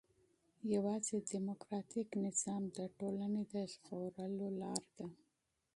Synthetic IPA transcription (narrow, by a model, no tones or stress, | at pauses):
jawɑzed̪imokɾɑt̪iknɪz̥ɑmd̪əʈolaned̪əʃqoɾəlolɑɾd̪a